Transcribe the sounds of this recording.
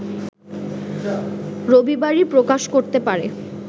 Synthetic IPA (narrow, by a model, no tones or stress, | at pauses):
ɾobibaɾipɾokaʃkoɾt̪epaɾe